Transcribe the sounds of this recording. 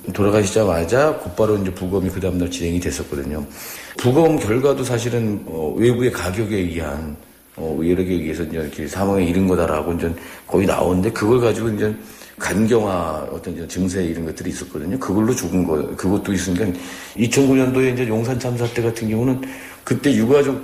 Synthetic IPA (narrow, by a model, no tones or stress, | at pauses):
toɾaɣaɕʰid͡ʑamaɭd͡ʑakop͈aɾoind͡ʑe̞puɡʌmikɯdaɯmdʌt͡ɕine̞ŋidwe̞s͈ʌt̚k͈ʌdɯɲopuɡʌmkjʌɭɡwados̬ʰaɕ̬ʰiɾɯnʌ̰we̞bue̞kaɡjʌɡeɡiɦa̰n | ʌɯeɾeɡeɡiesʰʌind͡ʑekʰesʰamwaŋeiɾɯnɡʌdaɾa̰ɡoind͡ʑʌnkʌina̰onɯnde̞kɯɡʌɭkad͡ʑiɡoind͡ʑen | kanɡjʌŋwaʌ̰t͈ʌnid͡ʑʌnt͡ɕɯŋs̬ʰeiɾɯnɡʌt̚t͈ɯɾiːs͈ʌt̚k͈ʌdɯɲokɯɡʌɭːot͡ɕoɡɯnɡʌkɯɡʌt̚t͈ois̬͈ɯnkan | it͡ɕʰʌnkuɲʌndoe̞ind͡ʑejoŋsʰant͡ɕʰams̬ʰatʰe̞ɣatʰɯnɡjʌŋunɯn | kɯt͈e̞juɡad͡ʑok̚